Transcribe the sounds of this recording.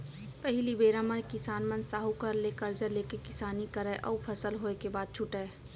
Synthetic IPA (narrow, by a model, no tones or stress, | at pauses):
pəɦɪlibeːɾaməɾkɪsaːnmənsaːɦukəɾleːkəɾd͡ʒəɾleːkekɪsaːnikəɾɛʔɔ̰ːpʰəsəlɦoːekebaːd̪̚t͡ʃʰʊʈɛː